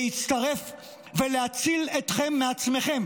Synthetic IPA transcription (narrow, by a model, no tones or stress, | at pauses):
it͡st̪aʁe̞f | velehat͡sile̞t̪χe̞mːeat͡sme̞χe̞m